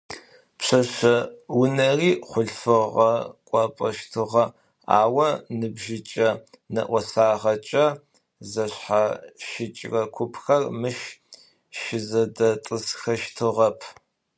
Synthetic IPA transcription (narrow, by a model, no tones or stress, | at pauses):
pɕɐʃɐwʊnɐriːχʷʊɬfɨʁɐkʷʼɑpʼɐʃtʰɨʁɐ | a̰ːwɐnɨbʒɪt͡ʃʼɐnɐ̰ʔʷɔsaːʁɐt͡ʃʼɐ | zɐɕħaʃɪt͡ʃʼrɐkʷʰʊpʰxɐrmɨʃ | ʃɪzɐdɐtʼɨsxɐʃtʰɨʁɐpʰ